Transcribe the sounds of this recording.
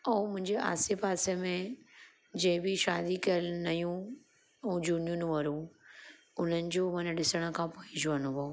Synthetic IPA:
ɐũmʊ̃ɦɪ̃ɲd͡ʑeʔa̰ːsɪbaːsemẽ | d͡ʑɐ̃ːɪ̃bɪʃaːd̪ikɐjəlnɐjũ | ɐũd͡ʑuːnijũnũʋɐɾũ | ʊn̤ənɪ̆d͡ʑoːmɐnəɗɪsəɽ̃ə̆kʰãːpoiɪ̃d͡ʑʊʋɐnũʋɐo

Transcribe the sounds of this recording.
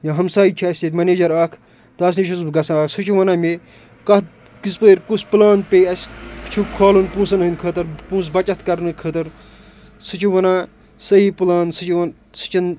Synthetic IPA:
jãːɦɐmsaːit͡ʃʰuɐsʲet̪ʲmɐneːd͡ʒɐɾaːkʰ | d̪ɐs̬niʃ̬uzbɨɡɐsãaːksɨt͡ʃʰuʋɐnaːme | kɐt̪̚ | kispəːɾʲkuspɨlaːnpʲejɐsʲt͡ʃʰukʰaːlunpũːsɐnɦɨnʲkʰəːt̪ɐɾpũːs̬bɐt͡ʃɐt̪kɐɾnɨkʰəːt̪ɐɾ | sɨt͡ʃʰuʋɐnãː | sɐɦiːpɨlaːnsɨt͡ʃin | sɨ̥t͡ʃin

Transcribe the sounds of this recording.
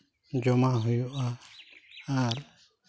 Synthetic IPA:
d͡ʒɔmaɦujuʔa | aɾ

